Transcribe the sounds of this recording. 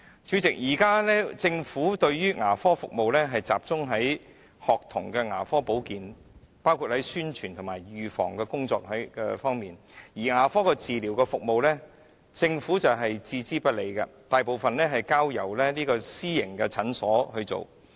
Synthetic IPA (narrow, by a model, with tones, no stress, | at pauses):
t͡ʃy˨˥t͡sɪ˨k̚jiː˨˩kaː˥lɛː˥t͡sɪ˧ŋfuː˨˥t̪ɵ˧ɥjyː˥ŋaː˨˩fɔː˥fʊ˨k̚mo˨wlɛː˥ɦɐ˨jt͡sa̰ː˨p̚t͡sʊ˥ŋɦɐ˨˥j | hɔː˨k̚t̪ʰʊ̰˨˩ŋkɛː˧ŋa̰ː˨˩fɔː˥po˨˥wkiː˨n | paː˥wkʰu˨˧t̚hɐ˨˥jsyː˥nt͡ʃʰyː˨˩nt̪ʰʊ˨˩maː˨˩jɥyː˨fɔ̰ː˨˩ŋkɛ˧kʊ˥ŋt͡sɔ̰ː˧k̚hɐ˨˥jkɛ̰˧fɔː˥ŋmiː˨njiː˨˩ŋaː˨˩fɔː˥kɛ˧t͡siː˨liː˨˩wkɛ˧fʊ˨k̚mo˨wlɛː˥ | t͡sɪ˧ŋfuː˨˥t͡sɐ˨wɦɐ˨jt͡siː˧t͡siː˥pɐ˥t̚le˨˧jkɐ̰˧t̪aː˨jpo˨wfɐ˨nlɛː˥ɦɐ˨jkaː˥wjɐ̰˨˩wlɛː˥liː˥kɔː˧siː˥jɪ˨˩ŋkɛ˧t͡sʰɐ˨˥nsɔː˨˥hɵ˧t͡so̰˨˩w